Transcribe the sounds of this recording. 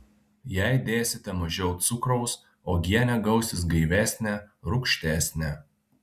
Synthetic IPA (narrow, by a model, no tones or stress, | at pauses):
jæˑɪd̪ʲeːsʲɪt̪ʲɛmɐʒʲɛʊt̪t̪sʊkɾɔʊs | oːɡʲiɛnʲɛɡɐʊsʲɪs̬ɡɐɪʋʲæːsʲnʲæɾʊkʃʲt̪ʲæːsʲnʲɛ